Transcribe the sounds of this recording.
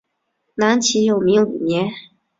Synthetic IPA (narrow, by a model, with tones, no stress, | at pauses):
na˧˥nt͡ɕʰi˧˥jo˨˩ʊmi˧˥ŋli˨˩njɛ˧˥n